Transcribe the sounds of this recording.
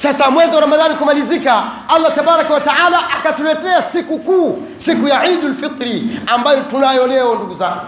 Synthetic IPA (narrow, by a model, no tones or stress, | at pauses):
sasamwɛziwaɾamaðanikumalizikaalːatabaɾakawataʕalaʔakatulɛtɛasikukuː | sikujaʕidulfit̪ˤɾiambajɔtunajɔlɛɔnduɡuzaŋɡu